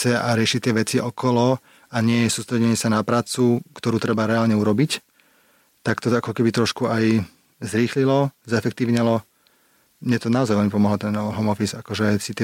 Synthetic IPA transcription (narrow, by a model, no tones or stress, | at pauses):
t͡sɛaɾɪɛʃit̪ɪɛʋɛt͡siɔkɔlɔ | aɲɪɛjɛsuːst̪ɾɛɟɛɲɪɛsanapɾaːt͡sukt̪ɔɾuːt̪ɾɛbaɾɛaːlɲɛuɾɔbic | t̪akt̪ɔakɔkɛbit̪ɾɔʃkuaj | zɾiːxlilɔzɛfɛkt̪iːʊɲɛlɔ | mɲɛt̪ɔnaɔzajʋɛlmipɔmɔɦlɔt̪ɛnɦɔmɔfisakɔʒɛsit̪ɛ